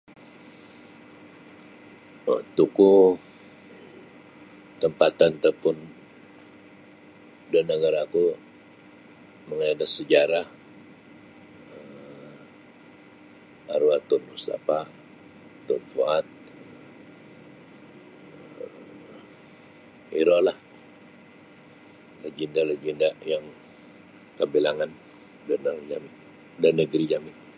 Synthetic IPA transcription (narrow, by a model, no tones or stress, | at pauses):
ə̰t̪uku | t̪əmpat̪ant̪apʊn | danəɡaɾaku | məŋaadasəd͡ʒaɾah | ə | a̰ɾuat̪ʊnust̪a̰pa | t̪ːʊnfuat̪̚ | iɾolah | ləd͡ʒindalad͡ʒəndajaŋ | kəbilaŋan | darnad͡ʒamɪ | danəɡɾid͡ʒamɪn